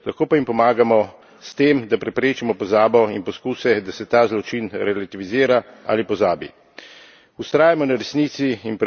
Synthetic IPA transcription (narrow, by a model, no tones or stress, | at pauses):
laxkoːpajimpɔmaːɡamɔ | st̪emd̪apɾɛpɾeːt͡ʃimɔpɔzaːbɔinpɔskuːsɛd̪asɛt̪aːzlɔt͡ʃinɾɛlat̪iʋiziːɾaa̰lipɔzaːbḭ | ust̪ɾaːjamɔnaɾɛsnit̪siːnp